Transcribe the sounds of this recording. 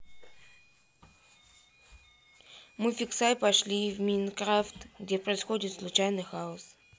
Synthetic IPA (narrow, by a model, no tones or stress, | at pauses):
mɨfʲɪksajpɐʂlʲivmʲinkɾaft̪ɡdʲepɾəɪsxo̞dʲɪt̪slˠʊt͡ɕajnɨjxaʊs